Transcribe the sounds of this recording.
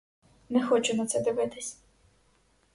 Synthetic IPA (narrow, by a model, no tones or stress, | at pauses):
nɛxɔt͡ʃʊnɐt̪sɛd̪ɪʋɪt̪ɪsʲ